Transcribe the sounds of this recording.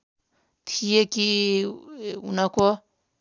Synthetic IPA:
t̪ʰijeki | unako

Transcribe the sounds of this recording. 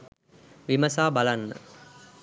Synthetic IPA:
ʋiməsaːbalanːə̰

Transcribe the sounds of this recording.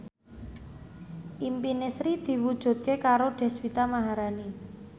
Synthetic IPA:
ʔimpinɪsɾid̪̥i̤wud̥ʒ̥ṳt̪̚kekaɾoɖ̪̥ɛ̤swit̪amaɦaɾani

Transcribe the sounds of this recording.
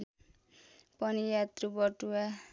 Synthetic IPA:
pʌnijat̪ɾubʌʈua

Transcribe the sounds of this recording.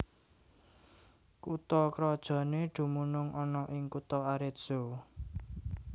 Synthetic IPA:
kut̪ɔkɾɔd̥ʒ̥ɔ̤neɖ̪̥ṳmunʊŋʔɔnɔʔɪŋkut̪ɔaɾɪt̪̚z̥o

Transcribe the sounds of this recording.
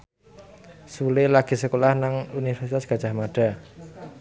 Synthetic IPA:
sulɪlaɡ̥i̤səkolahnaŋunifərsit̪asɡ̥a̤dd͡ʒ̥a̤hmaɖ̥a̤

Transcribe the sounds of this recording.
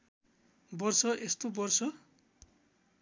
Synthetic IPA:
bʌrsʌʔest̪obʌrsʌ

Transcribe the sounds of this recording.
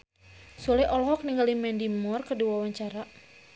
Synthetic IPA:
sulɛʔɔlɔɦɔk̚niŋɡalimɛndimɔrkəduwawaɲt͡ʃaɾa

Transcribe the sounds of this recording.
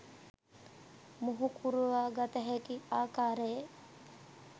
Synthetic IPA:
muɦukʰuɾuʋaːɡɐt̪ɐɦekiaːkaːɾeje

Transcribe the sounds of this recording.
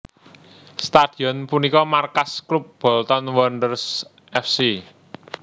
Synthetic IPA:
st̪ad̪̥i̤ɔnpunikɔmarkaskɾup̚b̥ɔ̤lt̪ɔnwɔndərs | ʔɛfsi

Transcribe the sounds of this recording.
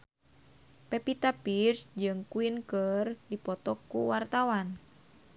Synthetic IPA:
pɛpit̪apirsd͡ʒɨŋkuinkərdipɔt̪ɔkːuwart̪awan

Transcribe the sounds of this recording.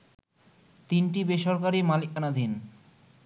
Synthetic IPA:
t̪inʈibeʃɔɾkaɾimalik̚anad̪ʱin

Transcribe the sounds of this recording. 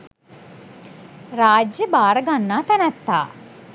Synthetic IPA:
ɾaːd͡ʒjəbaːɾəɡanːaːt̪ænæt̪ːa̰ː

